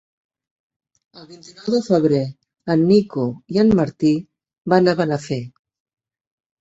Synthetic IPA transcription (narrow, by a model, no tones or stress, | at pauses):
əlˠβint̪inɔwðəfəβ̞ɾe | ənːikoiənməɾt̪i | banəβənəfe